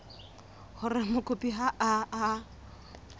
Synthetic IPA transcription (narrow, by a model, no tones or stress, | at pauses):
hʊrɪmʊkʼʊpʼiɦaʔaː